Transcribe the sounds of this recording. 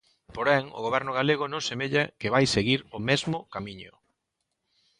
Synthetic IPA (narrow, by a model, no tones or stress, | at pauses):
poɾɛŋʊ̰ɣoβɛɾnʊɣaleɣ̞ʊnõŋsemeʎakɪβajseɣiɾʊmɛzmʊkamiɲʊ̰